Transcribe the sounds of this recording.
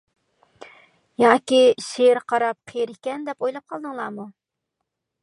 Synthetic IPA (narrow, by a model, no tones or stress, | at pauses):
jɑːkʲiʃeɾqʰɑɾɑp̚qʰejɾɪkʲɛnd̪ɛpojlˠɑp̚qʰɑlˠd̪ɨŋlˠɑːmu